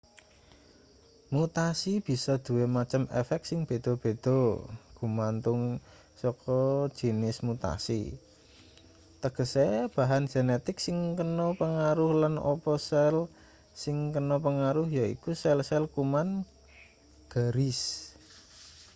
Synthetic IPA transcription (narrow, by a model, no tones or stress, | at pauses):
mut̪asib̥i̤sɔd̪̥ṳwemat͡ʃəmɛ̰fɛk̚t̪sɪŋb̥e̤d̪̥o̤b̥e̤d̪̥o̤ɡ̥umant̪ʊŋ | sɔkɔ̥d͡ʒ̥inɪsmut̪a̰sḭ | t̪əɡ̥ə̤seb̥a̤ɦan̥d͡ʒ̥e̤net̪ɪksɪŋkənɔpəŋaɾʊhlano̰pɔsɛl | sɪŋkənɔpəŋaɾʊhjaḭkusɛlsɛlkuman | ɡ̥a̤ɾɪs